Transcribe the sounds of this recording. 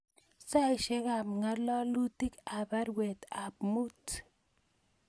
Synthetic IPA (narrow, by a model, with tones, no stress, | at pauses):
sa˦ɪ˨ʃe˦ka˨mŋa˦lɔ˦lu˦ti˦ka˨ba˦ɾwe˨t̪a˨p̚mu˦t